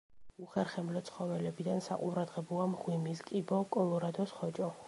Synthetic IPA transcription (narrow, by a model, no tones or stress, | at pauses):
uχɛɾχɛmlɔt̪sʰχɔvɛlɛbid̪ansaqʼuɾad̪ʁɛbɔamʁwimiskʼibɔkʼɔlˠɔɾad̪ɔsχɔt͡ʃʼɔ